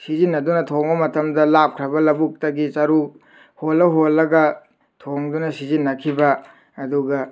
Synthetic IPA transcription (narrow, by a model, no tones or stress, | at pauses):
sizinːɐdunɐtʰoŋbɐmɐtʰɐmdɐlap̚kʰɾɐbɐlɐbuk̚tɐɡit͡ʃɐɾu | holːɐɦolːɐɡɐ | tʰoŋdunɐsizinːɐkʰibɐː | duɡɐ